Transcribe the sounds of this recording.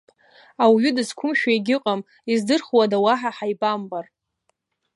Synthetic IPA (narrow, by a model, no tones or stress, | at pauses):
awɥʏdɨskʷʰʊmʃᶣaeɡʲɪqʼam | izdɨrχwadawaħaħajbʼambar